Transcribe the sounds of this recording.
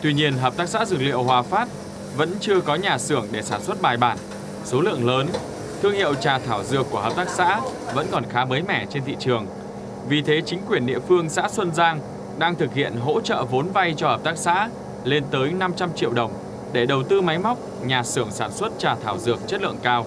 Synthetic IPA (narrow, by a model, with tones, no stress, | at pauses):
t̪wi˧ɲi˧ənɦəː˨˩p̪̚aː˦˥k̚sa̰ː˧˥zɨ˨˩k̚lḭ˧˨ə˨whwaː˨˩faː˦˥t̚ | və̰˧˥nt͡ɕɨ˧əkɔ˨˦ɲaː˨˩sɨ˧˩əŋɗe˧˩saː˧˩nswə˦˥t̚ɓaː˨˩jɓaː˧˩n | so˨˦lɨ̰˧˨əŋləː˨˦n | t̪ʰɨ˧əŋhḭ˧˨əwt͡ɕaː˨˩t̪ʰaː˧˩wzɨ̰˨˩əkːu˧˩əɦəː˨˩p̚t̪aː˦˥k̚sa̰ː˧˥və̰˧˥nkɔ˨˩nxaː˨˦məː˨˦jmɛ˧˩t͡ɕe˧nt̪ʰḭ˧˨t͡ɕɨ˨˩əŋ | vi˨˩t̪ʰe˨˦t͡ɕï˨˦ŋ̟kwi˨˩ənɗḭ˧˨əfɨ˧əŋsa̰ː˧˥swə˧nzaː˧ŋ | ɗaː˧ŋt̪ʰɨ˨˩k̚hḭ˧˨ənɦo̰˧˥t͡ɕə̰ː˧˨vo˨˦nva˧jt͡ɕɔ˧həː˨˩p̚t̪aː˦˥k̚sa̰ː˧˥ | le˧nt̪əː˨˦jna˧mt͡ɕa˧mt͡ɕḭ˧˨əwɗə˨˩wŋ͡m | ɗe˧˩ɗə˨˩wt̪ɨ˧ma˨˦jma˦˥wk͡p̚ | ɲaː˨˩sɨ˧˩əŋsaː˧˩nswə˦˥t̚t͡ɕaː˨˩t̪ʰaː˧˩wzɨ˨˩ək̚t͡ɕə˦˥t̚lɨ̰˧˨əŋkaː˧w